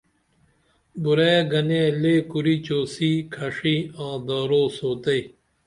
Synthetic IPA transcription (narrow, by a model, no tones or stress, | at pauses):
buɾɐjɐɡɐneleːkuɾiːt͡ɕoːsiːkʰɐʂiːãːd̪aːɾoːsoːt̪ɐj